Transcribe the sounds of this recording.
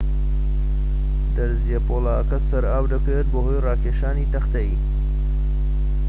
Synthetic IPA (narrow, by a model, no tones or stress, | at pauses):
d̪ɐɾzijɐpoːlaːɐkɐsɐɾaːwd̪ɐket̪̚boɦojraːkeːʃaːniːt̪ɐxt̪ɐi